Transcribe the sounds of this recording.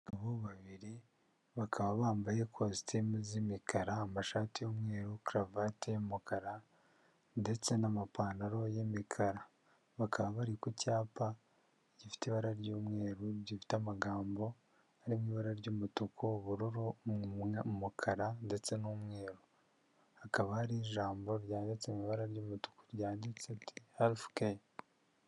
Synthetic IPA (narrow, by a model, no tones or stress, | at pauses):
aβoβaβiɾi | βakʰaβaβaːmbajekʰostʰimzimikʰaɾaːmaʃaːtijomŋe̞ːɾukɾavatemumukaɾa | nde̞t͡se̞namapaːnaɾo̞jemikʰaɾa | βakʰaβaβaɾikucaːpa | ɟifi̥teβaɾaɾɟuːmŋe̞ːɾuɟifi̥tamaɡaːmbo̞ | aɾimiːβaɾaɾɟuːmutukʰoβuɾuɾu | mukʰaɾande̞t͡se̞numŋe̞ːɾu | hakaβahaɾiʒaːmbo̞ɾjaːndit͡semiβaɾaɾjuːmutu̥ko̥ɾjaːndit͡setʰihaɾifu̥keje